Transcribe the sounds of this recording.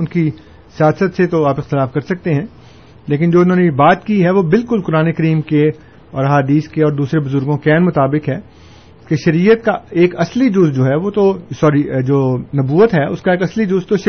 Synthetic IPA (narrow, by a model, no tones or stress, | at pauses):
ʊnki | sɪjaːsət̪set̪oaːpɪxt̪ɪlaːfkɐɾsɐk̚t̪eɦɛ̃ː | leːk̬ɪnd͡ʒoːɪnɦõːnebaːt̪kiɦɛʋobɪlkʊlkʊɾaːnekɐɾiːmke | ɔːɾɦaːd̪iːskeɔːɾd̪uːsɾebʊzʊɾɡõkɛːnmʊt̪aːbɪkɦɛː | keʃɐɾiːjət̪̚kaeːkɐslid͡ʒʊzd͡ʒoːɦɛʋoːt̪osɔːɾid͡ʒoːnɐbuːət̪ɦɛʊ̰skaeːkɐslid͡ʒʊzt̪oʃ